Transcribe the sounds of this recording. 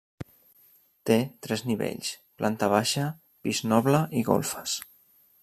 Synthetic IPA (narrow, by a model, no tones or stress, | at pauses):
t̪et̪ɾɛzniβḛʎsplʔant̪əβaʃə | piznɔβləʔiɣo̰lˠfə̥s